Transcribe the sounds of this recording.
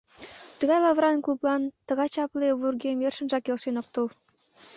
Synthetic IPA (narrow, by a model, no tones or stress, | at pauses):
t̪ə̆ɣɑjlɑvɾɑnkluplˠɑnt̪ə̆ɣɑjt͡ɕɑpleβurɡemjerʃə̆nʒɑkelʃenok̚t̪ul